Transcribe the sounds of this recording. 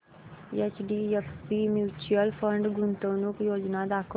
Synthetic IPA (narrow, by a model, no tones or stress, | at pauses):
et͡ʃɖiːefpimjuːt͡ʃuəlpʰə̃ɳɖɡʊnt̪õnũkjoːd͡ʒnad̪aːkʰ